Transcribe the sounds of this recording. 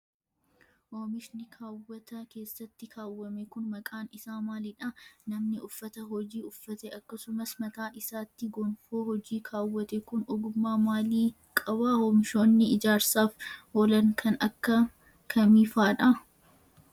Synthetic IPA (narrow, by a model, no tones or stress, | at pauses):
hoːmɪʃnɪkʰaːwːɐt̪ʰɐke̞ːsːɐt̪ːɪkʰaːwːɐmɛkʊnmɐkʼaːnɪsaːmaːlɪᶑɐnɐmnɪʊfːɐt̪ɐɦɔd͡ʒiːʊfːɐt̪ɛʔɐkːɐsʊmɐsmɐt̪aːʔɪsaːt̪ːɪɡɔnfoːhɔd͡ʒiːkʰaːwːɐt̪ɛkʊnɔɡʊmːaːmaːliː | kʼɐβaːhoːmɪʃo̞ːnːɪɪd͡ʒaːɾsaːfoːlɐŋkʰɐnɐkːɐ | kʰɐmiːfaːᶑɐ